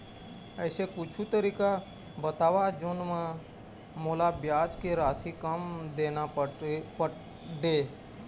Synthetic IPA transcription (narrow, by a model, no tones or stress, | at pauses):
əːsekʊt͡ʃʰut̪əɾiːka | bət̪aːʋad͡ʒʊnmã | moːlabjaːd͡ʒkeɾaːsikəmd̪eːnapə | ɖeː